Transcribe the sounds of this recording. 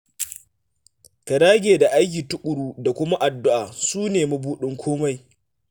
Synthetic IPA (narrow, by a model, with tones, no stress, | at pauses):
ka˨daː˦ɡʲeː˨da˨ʔa˦jk̬ʲiː˨tʊ˦kʷʼʊ˨ɽuː˦da˨kʷʊ˦ma˦ʔa˨dːʊ˦ʔaː˨suː˦neː˨mu˦buː˦ɗɪ˦ŋkʷʰoː˦ma˦j